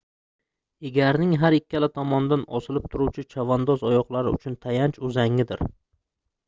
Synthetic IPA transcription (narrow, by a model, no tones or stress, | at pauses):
eɡʲaɾnɪŋɦaɾɪkʲːalat̪ʰɒmɒnd̪anɒ̰sɪlɪp̚t̪ʰʊɾuwt͡ʃʰɪt͡ʃʰavand̪ɒzɒjɒqlˠaɾɪʊ̰t͡ʃʰʊnt̪ʰajant͡ʃʊzaŋːɪd̪ɪɾ